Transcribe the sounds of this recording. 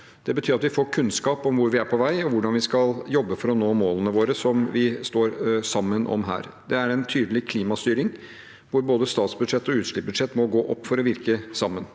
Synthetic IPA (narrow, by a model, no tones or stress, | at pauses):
d̪̥ɛbət̪ʰyːɾɑt̪ʋɪfoːkʰʉnskɑːpɔmʋʊɾʋɪæɾpʰɔʋæɪɔʋʊɖɑnʋɪskɑljɔbːəfɔɾɔnoːmoːlənəʋoːɾəsɔmʋɪst̪oːɾsɑmːənʔɔ̰mɦæ̰ːɾ | d̪ɛæɾɛnt̪ʰyːd̪əlɪkʰliːmɑst̪yːɾɪŋ | ʋʊɾboːd̪əst̪ɑːt̪sbʉd̪ʂɛt̪ːɔʉːt̪ʂɭɪp̚bʉd̪ʂɛt̪ːmɔɡoːʔɔpːfɔɾɔʋɪɾkəsɑmːən